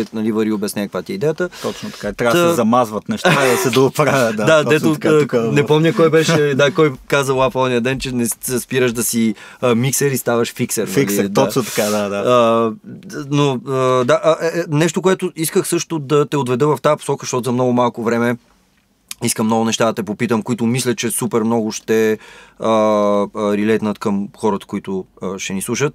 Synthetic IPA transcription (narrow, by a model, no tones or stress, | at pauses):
ɛnɐlivɐɾiobjɐsnʲajɛkvat̪iɛid̪ɛjət̪ət̪ɔt͡ʃnot̪ɐkat̪ɾʲavzɐmazvət̪nɛʃt̪sɛd̪ɐopɾavʲəd̪ad̪ɛt̪onɛpɔmɲʲəkɔjbɛʃɛd̪akɔjkazəlˠafɔd̪nijəd̪ɛnt͡ʃɛnɛspiɾəʒd̪ɐsi | əmiksɛɾist̪avəʃfiksɛɾilid̪ɔst̪ɐ̥kad̪ad̪aə | noəd̪aʔʔɛɛnɛʃt̪okoɛt̪ʊiskəxsɤʃt̪ʊd̪ɐt̪ɛod̪vɛd̪əvɐft̪ajəpo̥sɔkəʃt̪ɔt̪ʊzɐmnɔɡʊmalˠkovɾɛmɛ | iskəmnɔɡʊnɛʃt̪ad̪ɐt̪ɛpopit̪əmkʊit̪ʊmislʲɐt͡ʃɛsupɛɾmnɔɡʊʃt̪ɛə | ɾilɛt̪nət̪kəmxɔɾət̪ə̥koit̪ʊəʃɛnislˠuʃət̪̚